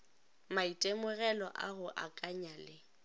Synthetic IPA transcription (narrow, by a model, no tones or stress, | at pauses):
maitʼemʊɣɛlɔʔaɣʊʔakʼaɲalɪ